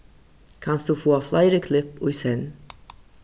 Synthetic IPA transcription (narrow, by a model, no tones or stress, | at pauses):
kʰanst̚d̥uːfuːaflaɪɾəkʰlɪpʊɪshɛn